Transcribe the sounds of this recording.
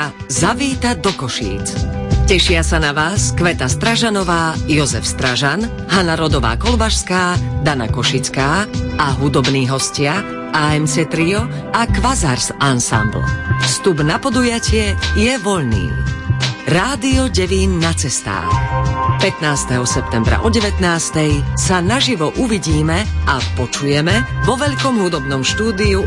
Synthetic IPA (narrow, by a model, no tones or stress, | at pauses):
zaʋiːt̪ad̪ɔkɔʃḭːt͡scɛʃɪasanaʋaːskʋɛt̪ast̪ɾaʒanɔʋaːjɔzɛ̰fst̪ɾaʒan | ɦanaɾɔd̪ɔʋa̰ːkɔlbaʃskaːd̪ana̰kɔʃit͡skaːaɦud̪ɔbniːɦɔscɪa | aɛmt͡sɛt̪ɾiɔ | akʋazaɾsansa̰mblfst̪ubnapɔd̪ujacɪɛjɛʋɔʎnḭː | ɾaːd̪iɔɟɛʋiːnːat͡sɛst̪a̰ːxpɛt̪naːst̪ɛɦɔsɛp̚t̪ɛmbɾa̰ʔɔɟɛʋɛt̪naːst̪ɛjsanaʒiʋɔʔuʋiɟiːmɛapɔt͡ʃujɛmɛʋɔʋɛʎkɔmɦud̪ɔbnɔmʃt̪uːd̪iu